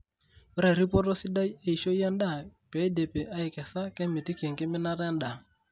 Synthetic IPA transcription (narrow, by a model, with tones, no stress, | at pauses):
ɪ˦ɾa˨ɾi˦pɔ˦tɔ˦si˦da˦je˦˨i˨ʃo˦ja˦n˦da˦˨pɛ˨˦de˨pe˨ʔa˦ɪ˨kɛ˨sa˦kɛ˦mi˨ti˦ki˨e˨ŋkɪ˦mɪ˦na˦ɾɛ˦n˦da˨